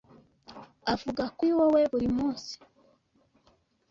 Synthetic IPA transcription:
avuɡakwiwoweβuɾimuːnsi̥

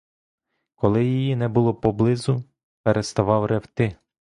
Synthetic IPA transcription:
kɔlˠɪjijinɛbʊlˠɔpɔblˠɪzʊ | peɾʔest̪ɐʋɑwɾʔewt̪ɪ

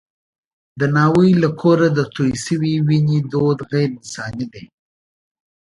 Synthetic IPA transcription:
d̪ənɑwəjlakʰoɾad̪ət̪ojsəwiwiɲid̪od̪ɣeɾnɪsɑnid̪e

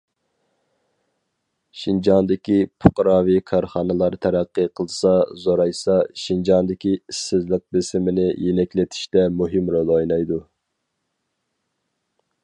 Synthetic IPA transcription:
ʃind͡ʒɑnd̪ɪkʲipʰoqɾɑːwikʰɑɾχɑnɨlˠɑɾt̪ʰæɾæqːəqʰəlˠsɑzoɾɑjsɑʃind͡ʒɑnd̪ɪkʲiisːɪzlɪk̚bɪsɪmɪnɪjenɛkʲlɪt̪ʰi̥ʃt̪ɛmuɦɪmɾolˠojnɑjd̪u

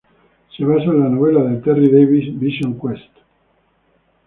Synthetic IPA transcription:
siβasanlanovelaðelt̪ɛrid̪ejβisbiʃoŋkwɛst̪

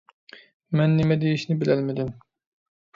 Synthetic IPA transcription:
mɛnːemɛd̪ejiʃnɪbɪlɛlmɪd̪ɪm

